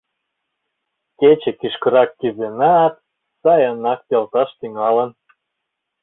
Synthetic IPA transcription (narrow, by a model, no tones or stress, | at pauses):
ket͡ɕĕkiʃkə̆ɾɑkːyzenɑt̪̚ | sɑjənɑk̚pelt̪ɑʃt̪yŋɑlən